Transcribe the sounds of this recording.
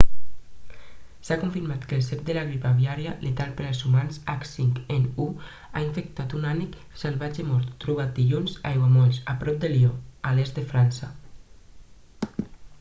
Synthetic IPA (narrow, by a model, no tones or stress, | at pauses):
sakuɱfiɾmat̪kelsepd̪elaɣɾipaβiaɾjalet̪alpeɾalzumansaksiŋkenu | a̰iɱfek̚t̪at̪unanik | selβad͡ʒemɔɾt̪ːɾuβat̪̚d̪iʎunza̰jwamɔʎsapɾɔp̚d̪eliɔalest̪d̪efɾansa